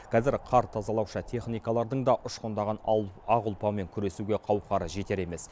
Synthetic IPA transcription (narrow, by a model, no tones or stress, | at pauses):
qʲʰɑzɪɾqʰɑɾt̪ʰɑzɑlˠɑwʃət̪ʰe̞χnijkɑlˠɑɾd̪əɴd̪ɑʔʊʃqond̪ɑʁɑnɑʁʊlˠpɑme̞ŋkʲʰʏɾe̞suɡʲe̞qʰɑwqʰɑɾəʒe̞t̪e̞ɾe̞me̞s